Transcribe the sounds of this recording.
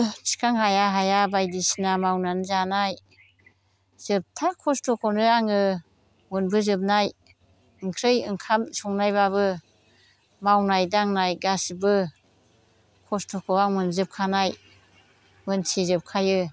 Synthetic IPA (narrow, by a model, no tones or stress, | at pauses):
sʰi̥kʰaŋhajaɦajabajdisnamawnanzanaj | z̥ɯp̚tʰakʰɔstʰɔkʰɔnɯaŋɯ | munbɯzɯp̚naj | ɯŋkʰɾɯjɯŋkʰamsɔŋnajbaβɯ | mawnajdaŋnajɡasbɯ | kʰɔstʰɔkʰɔaŋmɯnzɯp̚kʰanaj | mɯnsʰizɯp̚kʰajɯ